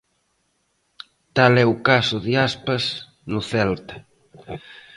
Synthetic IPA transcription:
t̪alɛukasʊðiaspɐs | nʊθɛlt̪ɐ̥

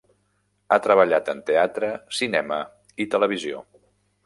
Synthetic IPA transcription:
at̪ɾəβəʎat̪ənt̪eat̪ɾəsinɛmə | it̪ələβ̞izio̰

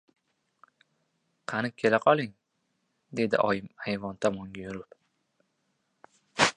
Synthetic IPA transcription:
qʰɑnɪkʲʰe̞laqʰɒlˠɪŋ | d̪e̞d̪ɪ̰ʔɒjɪmhajvɒnt̪ʰɒmɒŋɡʲajʊɾʊp

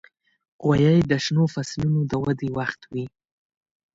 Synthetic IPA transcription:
ɣwajajd̪əʃnofaslunod̪əwad̪ewaxt̪wi

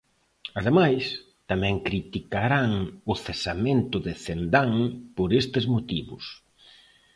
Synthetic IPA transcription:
að̞emajs | t̪amɛ̃ŋkɾit̪ikaɾaŋʊθesamẽnt̪ʊðɪθend̪aŋpoɾest̪ɪzmot̪iβʊ̰s

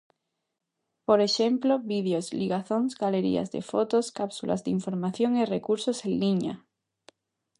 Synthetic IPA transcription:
poɾeʃemploβið̞eozliɣaθonsɡaleɾḭa̰zðḛfot̪oskapsulʔa̰zðiɱfoɾmaθjoŋerekuɾsosenliɲa̰

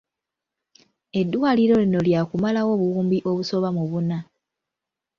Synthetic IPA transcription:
e̞dːwaːliɾo̞lino̞ljaːkumalawo̞ːβuwuːmbiʔo̞βuso̞βamuβuna

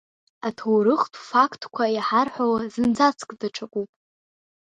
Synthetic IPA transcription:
atʰowɾɨχtʰʼfakʰtʰʼkʷʰaiħarħawazɨnd͡zat͡sʰkʼdaʈ͡ʂʰakʷʼupʼ

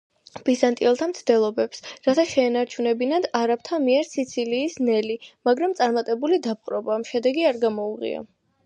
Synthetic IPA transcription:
b̥izant̪ʼiɛlˠt̪ʰamt̪sʰd̪ɛlˠɔbɛpsɾat̪ʰaʃɛːnaɾt͡ʃʰunɛbinad̪aɾap̚t̪ʰamiɛɾsit̪sʰiliːsnɛlimaɡɾamt̪sʼaɾmat̪ʼɛbulid̪ap̚qʼɾɔbaːmʃɛd̪ɛɡiaɾɡamɔuʁḭa̰

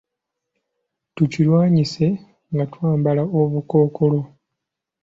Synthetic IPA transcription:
tucilwaːɲise̞ | ŋɡatwaːmbalaoβuko̞ːkʰo̞lo̞

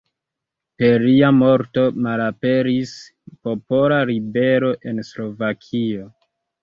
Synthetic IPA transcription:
pe̞ɾiamo̞ɾto̞malape̞ɾis | po̞polaɾibe̞ɾo̞ʔe̞nslo̞vakʰio̞

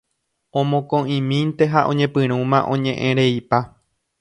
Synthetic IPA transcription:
õmõkõʔĩmĩnt̪e̞ɦaʔõ̞̰ɲẽ̞pɨ̃ɾ̃ũmãʔõ̞ɲẽ̞ʔẽɾe̞ipa

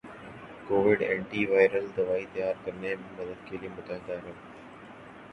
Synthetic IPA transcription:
koːʋɪɖẽːɳʈiːʋaːɪɾəld̪əʋaːiːt̪ɐjaːɾkəɾnemẽːmɐd̪əkʰːeliːmʊt̪ãːd̪aːɾə

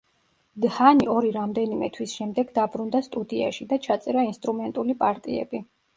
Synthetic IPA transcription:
d̪haniɔɾiɾamd̪ɛnimɛ̰t̪ʰwisʃɛmd̪ɛɡd̪abɾund̪ast̪ʼud̪ia̰ʃid̪at͡ʃʰat̪sʼɛɾainst̪ʼɾumɛnt̪ʼulipʼaɾt̪ʼiɛ̰bi

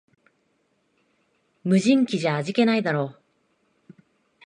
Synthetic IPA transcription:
mɯ̟ʑĩŋkʲiʑaːʑike̞naid̪aɾo̞ː

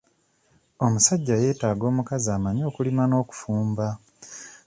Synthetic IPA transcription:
o̞musaɟːaje̞ːtaːɡo̞ːmukazaːmaɲo̞ːkulimano̞ːku̥fuːmba

